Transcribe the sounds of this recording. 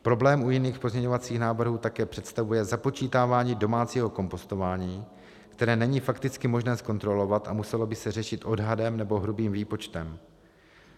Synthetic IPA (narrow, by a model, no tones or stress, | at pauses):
pɾo̞blɛːmʔujɪniːxpo̞zɲɛɲo̞vat͡siːxnaːvr̩ɦuːt̪akɛːpr̥ɛt̪st̪avujɛzapo̞t͡ʃiːt̪aːvaːɲiːdo̞maːt͡siːɦo̞ko̞mpo̞st̪o̞vaːɲiː | kt̪ɛɾɛːnɛɲiːfakt̪ɪt͡skɪmo̞ʒnɛːsko̞nt̪ɾo̞lo̞vat̪ʔamusɛlo̞bɪsɛr̝ɛʃɪt̪ʔo̞dɦadɛmnɛbo̞ɦɾubiːmviːpo̞t͡ʃt̪ɛm